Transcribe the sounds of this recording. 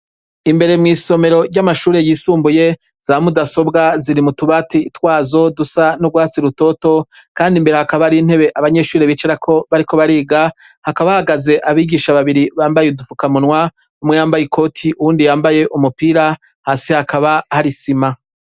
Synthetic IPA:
imbe̞ɾe̞mŋiːso̞me̞ɾo̞ɾɟamaʃuːɾe̞jiːsuːmbuje̞ | z̥amudaso̞bɡaziɾimutuβaːtiːtwaːzo̞dusanoɡwaːt͡siɾuto̞to̞ | kaːndimbe̞ɾe̞hakaβaɾiːn̥he̞βe̞ʔaβaɲe̞ʃuːɾeβiːt͡ʃeɾakʰo̞βaɾiko̞βaɾiːɡa | hakaβahaɡaze̞ʔaβiːɡiːʃaβaβiɾiβaːmbajeudufukamunwa | umŋejaːmbajikʰo̞tʰiʔuwuːndijaːmbaje̞ʔumupiːɾa | haːsihakaβahaɾisima

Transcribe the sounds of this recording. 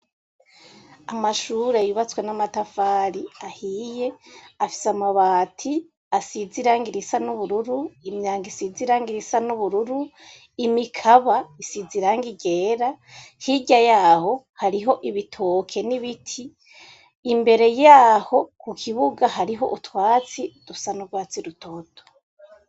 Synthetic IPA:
amaʃuɾe̞juβat͡swenamatafaːɾiahiːje̞afi̥samaβaːtʰi | asiziɾaːŋɡiɾisanuβuɾuɾuimɲaːŋɡisiziɾaːŋɡiɾisanuβuɾuɾu | imikʰaβaisiziɾaːŋɡiɟeːɾahiɟajaːho̞ | haɾiɦo̞ʔiβitʰokʰe̞niβitʰiː | mbe̞ɾe̞jaːho̞kukʰiβuɡaɦaɾiɦo̞̰ʔutwaːt͡sid̥usanuɡwaːt͡siɾutʰo̞ːtʰo̥

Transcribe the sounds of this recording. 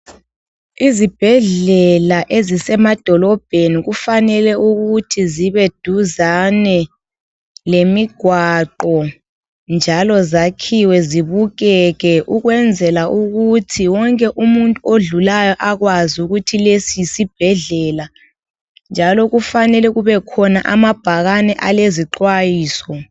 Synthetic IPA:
izib̥ʱɛɮɛlaʔezisɛmad̥ʱɔlɔb̥ʱeniɣufanɛlɛuɣutʰiziβed̥ʱuzanɛ | lemiɡ̥ʱwaǃɔ | nd͡ʒʱalɔzakʰiwɛziβuɣɛɣɛʔuɣwɛnd͡zʱɛlaʔuɣutʰiwɔŋkʼɛʔumuntʼuoɮulajɔʔaɣwazuɣutʰilesisib̥ʱɛɮɛːla | nd͡ʒʱalɔɣufanɛlɛɣuβɛkʰɔnaʔa̰mab̥ʱaɣanɛʔaleziǃwajiːsɔ

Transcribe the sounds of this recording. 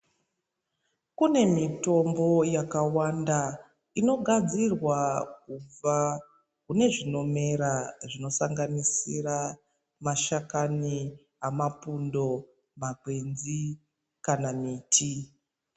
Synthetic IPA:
kune̞mito̞mbo̞jakawanda | ino̞ɡʱad͡zirwakub͡va | kune̞ʐino̞me̞ɾaʐino̞saŋɡanisira | maʃakani | amapundo̞ | makwenzi | kanamiːtʰi

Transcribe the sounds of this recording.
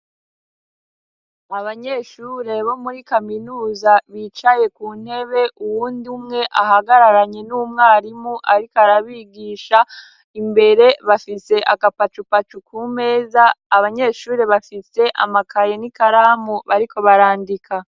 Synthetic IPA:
aβaɲe̞ːʃuɾe̞βo̞muɾikaminuːzaβit͡ʃaje̞kuːn̥he̞βe̞ʔuwuːndumŋe̞ʔahaɡaɾaɾaɲe̞numŋaːɾimuʔaɾikaɾaβiːɡiːʃa | imbe̞ɾe̞βafise̞ʔakapat͡ʃupat͡ʃukʰuːme̞ːzaːβaɲe̞ːʃuːɾe̞βafise̞ʔa̰makʰajenikaɾaːmuβaɾikʰo̞βaɾaːndikʰa

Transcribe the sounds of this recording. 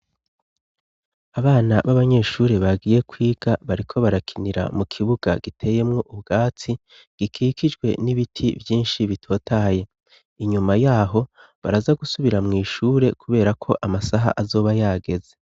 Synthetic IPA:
aβaːnaβaβaɲe̞ːʃuːɾe̞βaɡiːje̞kwiːɡ̥aβaɾikʰo̞βaɾakʰiniɾa̰mukʰiβuɡ̥a̰ɡ̥itʰe̞ːje̞mŋo̞ʔubɡ̥aːt͡si | ɡ̥ikʰiːkʰid͡ʒɡwe̞niβitʰivjiːnʃiβitʰo̞ːtaje̞ | iɲumajaːɦo̞ | βa̰ɾazaɡusuβiɾamŋiːʃuːɾe̞kʰuβe̞ːɾakʰo̞ʔamasaɦa̰ʔazo̞ːβajaːɡe̞ze̞

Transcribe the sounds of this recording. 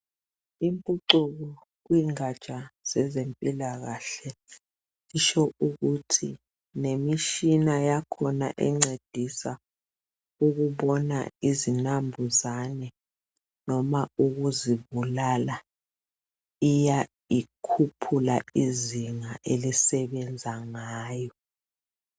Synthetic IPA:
impʼuǀuɣ̬ɔ | k̬wiŋat͡ʃʼaz̥ɛzempʼilaɣaɬɛ | iʃɔuɣutʰi | nemiʃinajakʰɔna̰ʔɛŋ͡ǀed̥ʱisa | ukuɓɔna̰izinambʱuzanɛ | nɔmauɣuziβulala | ija | ikʰupʰulaiziŋaʔelisɛβɛnd͡zʱaŋaːjɔ

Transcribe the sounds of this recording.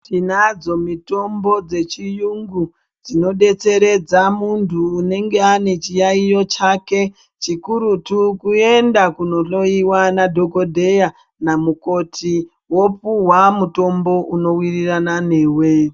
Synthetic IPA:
tinad͡zo̞mito̞mbo̞d͡ze̞t͡ʃijuŋɡu | d͡zino̞ɗe̞t͡se̞ɾe̞d͡zamuntʰuːne̞ŋɡe̞ane̞t͡ʃijaijo̞t͡ʃake̞ | t͡ʃikuɾutukue̞ndakuno̞lo̞iwanadʱo̞ko̞dʱe̞ja | namuko̞tʰi | wopuwamuto̞mbo̞ʔuno̞wiriranane̞ːwe̞

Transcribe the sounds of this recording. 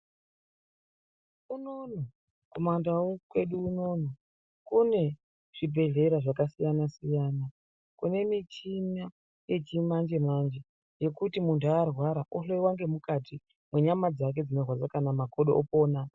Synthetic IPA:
unono | komandawukwe̞ɗuːno̞no | kune̞ | ʐ̥ibʱe̞ɮe̞ɾaʐakasijanasijaːna | kune̞mit͡ʃina | je̞t͡ʃimand͡ʒe̞mand͡ʒe̞ | je̞kutimuntuarwaɾaʔoɬoiwaŋɡe̞mukati | mwe̞ɲamad͡zak̬e̞d͡zino̞rwad͡zakanamakoɗoopoːna

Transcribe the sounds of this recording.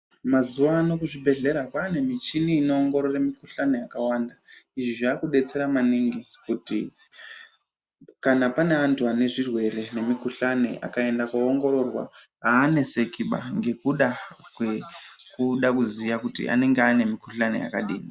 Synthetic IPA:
mazuʋaːno̞kuʐibʱe̞ɮe̞ɾakwaːne̞mit͡ʃiniːno̞ːŋɡo̞ɾoremikuɬane̞jakawandaiʐiʐaːkuɗe̞t͡se̞ɾamaniŋɡikutḭ | kanapane̞antʰuane̞ʐirwe̞ɾe̞ne̞mikuɬanḛʔa̰kae̞ndakwaoŋɡo̞ɾo̞rwa̰ | ɦaːne̞se̞kiɓa̰ŋɡe̞kuɗakwekuɗakuzijakutḭʔa̰ne̞ŋɡeane̞mikuɬane̞̰ja̰kaɗḭːni

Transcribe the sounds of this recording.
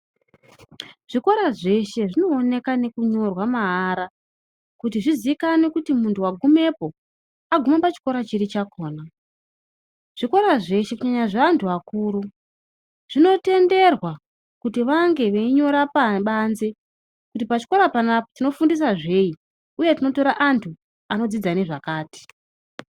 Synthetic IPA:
ʐ̥iko̞ɾaʐe̞ʃe̞ʐino̞ːne̞kane̞kuɲo̞rwamaɦːɾa | kut̬iʐiziikanekutimuntʰuwaɡʱume̞po̞ | aɡʱumapat͡ʃi̥ko̞ɾat͡ʃiɾit͡ʃakʰo̞ːna | ʐ̥iko̞ɾaʐe̞ʃe̞kuɲaɲaʐaantʰuakuːɾu | ʐ̥ino̞te̞nde̞rwa | kutiʋaŋɡe̞ʋeiɲo̞ɾapaɓanze̞ | kutipat͡ʃi̥koɾapanapotino̞fundis̬aʐe̞i | uje̞tino̞to̞ɾaʔantʰu | ano̞d͡zid͡zaneʐakaːti̥

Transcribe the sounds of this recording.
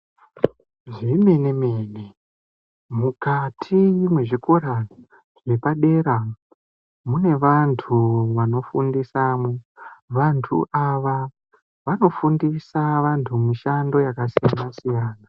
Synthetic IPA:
ʐime̞nemene | mukatʰiimwe̞ʐiko̞ɾa | ʐe̞paɗe̞ːɾa | mune̞ʋantʰuʋano̞fundisamweʋantʰṵʔaʋa | ʋano̞fundisaʋantʰumiʃando̞jakasijanasijaːna

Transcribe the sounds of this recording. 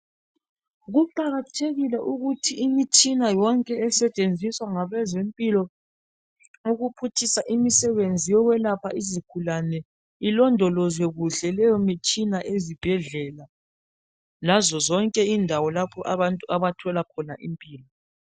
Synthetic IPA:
ɣuǃaɣatʰeɣilɛʔuɣutʰiːmit͡ʃʼinajɔŋkʼɛɛsɛt͡ʃʼend͡zʱiswaŋaβɛzempʼilɔ | uɣupʰutʰisaʔimisɛβend͡zʱijɔɣwɛlapʰaizikʰulanɛ | ilɔndʱɔlɔzwɛɣuɬɛlɛjɔmit͡ʃʼinaʔezib̥ʱɛɮɛːla | lazɔzɔŋkʼɛindʱawɔlapʰɔʔaβantʼuʔaβatʰɔlakʰɔnaʔimpʼiːlɔ

